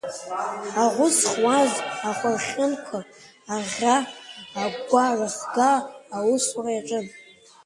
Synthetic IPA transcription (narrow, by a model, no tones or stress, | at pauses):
aʁʷʊsχwazaχʷarχʲɪnkʷʰa | aʁʲaː | ɡɡʷaraχdaːwʊsrajaʈ͡ʂʼɨn